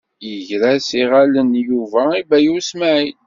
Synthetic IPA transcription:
jəʝɾæsiʁælənjuvæibæjusmæʕit

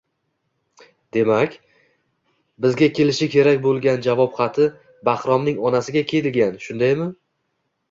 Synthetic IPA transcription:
d̪e̞makʲ | bɪzɡʲakʲʰe̞lɪʃɪkʲʰe̞ɾakʲbolˠɡʲand͡ʒavɒpχɑt̪ʰɪ | bahɾɒmnɪŋɒnasɪɡʲakʲʰe̞j̪ɪlɡʲanʃʊnd̪ajmɪ

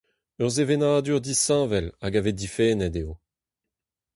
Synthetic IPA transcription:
œʁzevenaːd̪yʁd̪isɑ̃ːvɛlaɡaved̪ifɛːnɛdeo

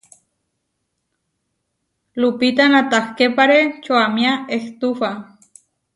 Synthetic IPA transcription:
lupit̪anat̪ahkepaɾet͡ʃoamiaeht̪ufa

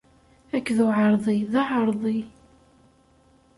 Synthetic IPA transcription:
ækːðuʕəɾˤðˤiðɑʕəɾˤðˤi

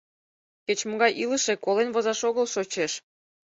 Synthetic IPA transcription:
ket͡ɕmoɣɑjʔiləʃekolenvozɑʃoɣəlʃot͡ɕeʃ

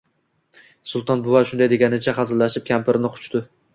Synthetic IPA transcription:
sʊlˠt̪ʰɒnbʊvaʃʊnd̪ajd̪e̞ɡʲanɪt͡ʃʰaχɑzɪɾlaʃɪp̚kʲʰampɪɾɪnɪqʰʊ̥t͡ʃt̪ɪ

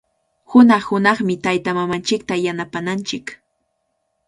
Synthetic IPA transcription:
hʊnɑχhʊnɑχmɪt̪ajt̪amamant͡ʃɪk̚t̪ajanapanant͡ʃɪk

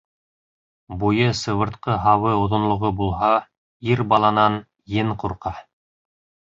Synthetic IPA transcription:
bujɤsɤ̆βɤ̆ɾt̪qɤɦɑwɤŏðŏnlˠŏʁobulˠɦɑ | iɾbɑlˠɑnɑn | jɘɴquɾqɑ

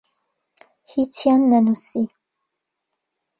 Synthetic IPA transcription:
hitʰianːanusi

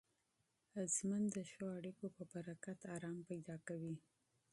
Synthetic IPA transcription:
əzmand̪əʃəaɽikopəbaɾakat̪ɑɾɑmpajd̪ɑkawi

